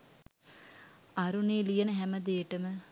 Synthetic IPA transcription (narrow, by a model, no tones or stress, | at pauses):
aɾuneːlijɐnəɦæməd̪eːʈəmə